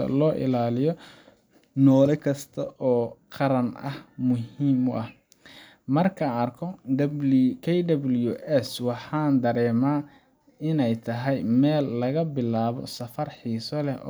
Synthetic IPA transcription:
ɐ̰lɔːʔɪ̰laːlɪjɔ | nɔːlɛkʰɐst̪ʰɐʔɔːqɑɾɐnɐ̰hmʊɦiːmʊʔɐh | mɐrkʰɐɐrkʰɔdɐbkʰɛjd̪ɐbljuʔɛswɑħɑːnd̪ɐɾɛːmaː | ɪnɛjt̪ʰɐɦɛjmɛːlːɐɣɐbɪlaːβɔ̰sɐfɐrħiːsɔlɛ

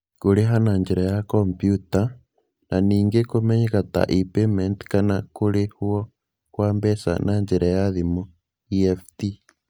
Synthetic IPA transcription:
koɾeɦanaɲd͡ʒeɾajakompjuta | naniːŋɡekomɛɲekata̰ʔipemɛntkanakoɾehwɔ | kwaːmbɛsa̰naɲd͡ʒeɾʔajaðimo | iɛfti

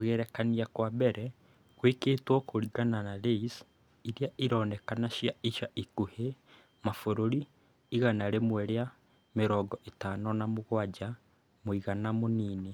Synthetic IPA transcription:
ɣɛɾɛkaniakwabɛɾɛ | ɣweːkeːtwɔkoɾiɣananaɾeis | iɾijaʔiɾɔːnɛkanaʃjaiʃaʔikuhe | mafoɾoɾiː | ɣanaɾemwɛɾea | meɾɔːɡɔʔetaːnɔnamoɣwad͡ʒa | moiɣanamoniːne

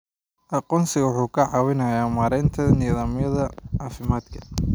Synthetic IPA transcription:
ʔɑqɔːnsɪɣɐwʊħuːkʰɐʕɑwɪnɐjaːmaːɾɛnt̪ʰɐniːðɐmjɐðɐʕɑːfɪmaːd̪kʰɐ̥

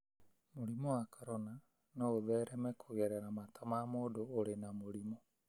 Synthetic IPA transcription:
moɾimɔwakʰaɾɔna | nɔoðɛːɾɛmɛkʰoɣɛɾɛɾamatʰamamoːdoːɾenamoɾimɔ

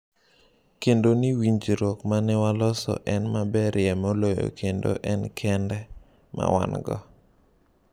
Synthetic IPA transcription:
kendoniwiɲd͡ʒiɾokmanɪwalɔsɔ̰ʔɛnmabɛɾʔɪjɛmolojo̰kʰendo̰ʔɛnkʰɛndɛ | ma̰wa̰nɡɔ̰

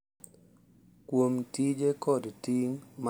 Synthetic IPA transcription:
kwomtid͡ʒekɔdtiŋm

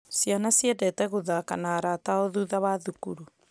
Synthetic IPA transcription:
sijanasjɛdɛtɛɣoðaːkanaːɾaːtaoðuðaβaðukuɾu

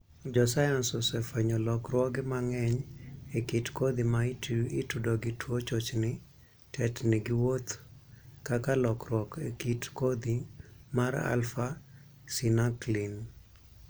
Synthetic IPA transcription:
d͡ʒɔsajansɔsɛfɛɲɔlɔkrwɔɡɪmaŋɛɲekitkod̪imaiitudoɡɪtwot͡ʃot͡ʃnɪ | tɛtnɪɡɪwot̪ | kakalɔkɾwɔkekitkod̪imaɾa̰lfa | sinaklin

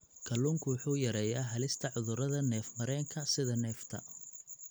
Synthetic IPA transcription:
kʰɐlːuːŋkʰʊwʊħuːjɐɾɛːjaːɦɐlɪst̪ʰɐʕʊðʊɾɐðɐnɛːfmɐɾɛːŋkʰɐsɪðɐnɛːft̪ʰɐ̰

